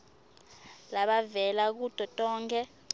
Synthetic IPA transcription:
laɓavɛlak̬ud̥ʼʱɔtʼɔːŋkʰɛ

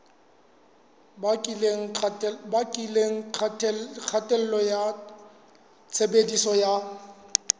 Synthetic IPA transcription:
ŋbkʼileŋ̩ʰ | k͡xʰatʼɛl̩lɔja | t͡sʰebedisɔja

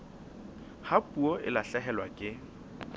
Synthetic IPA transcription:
hapʼuɔʔɪlaɬɛɦɛlwakʼɪ

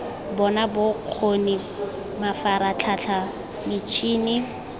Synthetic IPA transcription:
bɔnabʊq͡χʰoni | mafaɾat͡ɬʰat͡ɬʰa | mɪt͡ʃʰʼiːnɪ

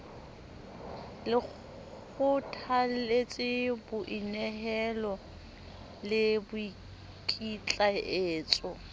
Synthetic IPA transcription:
lɪ | k͡xʊtʰalet͡sʼɪbʊʔinɛhɛlɔ | lɪbʊi | kʼit͡ɬʼaeːt͡sʼɔ

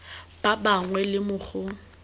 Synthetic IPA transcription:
b̥abaŋwɛlɪmʊχʊ

